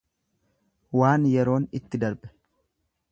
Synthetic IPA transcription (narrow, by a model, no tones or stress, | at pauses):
waːnjɛɾo̞ːnɪt̪ːɪd̪ɐɾbɛ̥